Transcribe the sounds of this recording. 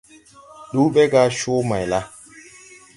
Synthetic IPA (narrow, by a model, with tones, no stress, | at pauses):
ɗu˦bɛ˦ɡa˦ʃoː˦ma˨jla˦